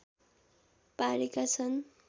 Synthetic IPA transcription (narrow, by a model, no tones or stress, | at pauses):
paɾekat͡sʰʌn